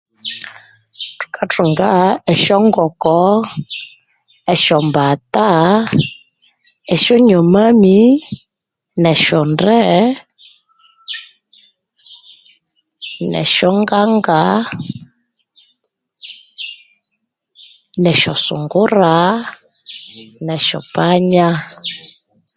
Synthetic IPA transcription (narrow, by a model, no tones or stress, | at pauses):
tu̥katʰuŋɡaɛʃɔŋɡɔkɔ | ɛʃɔmbata | ɛʃɔɲɔmami | nɛʃɔndɾɛ | nɛ̰ʃɔŋɡaŋɡa | nɛʃɔsṵŋɡuɾa | nɛʃɔ̰paɲa